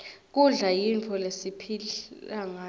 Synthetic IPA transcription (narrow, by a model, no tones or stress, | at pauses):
k̬ʼuɮajintʰɔlesipʰiaŋa